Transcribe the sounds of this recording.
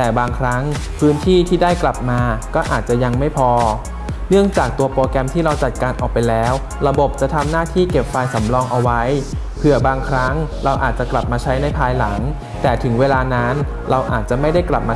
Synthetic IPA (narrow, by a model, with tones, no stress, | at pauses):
t̪ɛː˨˩baː˧ŋkʰɾa˦˥ŋ | pʰɯː˦˥nt̪ʰiː˥˩t̪ʰiː˥˩daː˥˩jkla˨˩p̚maː˧kɔː˥˩ʔaː˨˩t̪̚t͡ɕa˨˩ja˧ŋma˥˩jpʰɔː˧ | nɯ˥˩əŋt͡ɕaː˨˩k̚t̪u˧ɐpoː˧kɛ˧mt̪ʰiː˥˩ɾa˧wt͡ɕa˨˩t̪̚kaː˧nʔɔː˨˩k̚pa˧jlɛː˦˥w | ɾa˧bo˨˩p̚t͡ɕa˨˩t̪ʰa˧mnaː˥˩t̪ʰiː˥˩ke˨˩p̚faː˧jsa˩˦mɾɔː˧ŋʔa˧wa˦˥j | pʰɯ˨˩ɐbaː˧ŋkʰɾa˦˥ŋɾa˧wʔa̰ː˨˩t̪̚t͡ɕa˨˩kla˨˩p̚maː˧t͡ɕʰa˦˥jna˧jpʰaː˧jla˩˦ŋ | t̪ɛː˨˩t̪ʰɯ˩˦ŋweː˧laː˧na˦˥n | ɾa˧wʔa̰ː˨˩t̪̚t͡ɕa˨˩ma˥˩jda˥˩jkla˨˩p̚maː˧